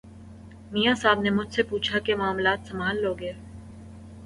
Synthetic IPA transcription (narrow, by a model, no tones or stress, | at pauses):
mijasaːbnemʊd͡ʒʱsepuːt͡ʃʰakemaːmlaːt̪sɐmaːlːoːɡeː